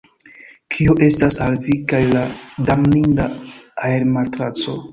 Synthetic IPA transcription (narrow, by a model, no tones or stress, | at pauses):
kʰioʔe̞stasalvikajladamnindaaeɾmatɾat͡so̞